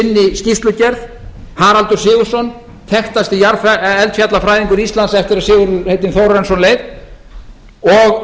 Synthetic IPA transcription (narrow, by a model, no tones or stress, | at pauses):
ɪnːɪscist̪lʏcɛɾθ | haːɾalt̪ʏɾ̥sɪːɣʏ̥sɔn | θʰɛxt̪ast̪ɪjaɾfaɛlt̪fjat̪lafɾaːjðiŋkʏɾist̪lansɛft̪ɪɾaðsɪːɣʏɾʏhejt̪̬ɪnθowɾɛnsɔnlejð | ɔɣ